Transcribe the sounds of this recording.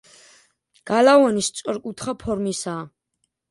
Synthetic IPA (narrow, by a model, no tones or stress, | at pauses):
ɡ̥alavanist̪sʼɔɾkʼut̪ʰχapʰɔɾmisaː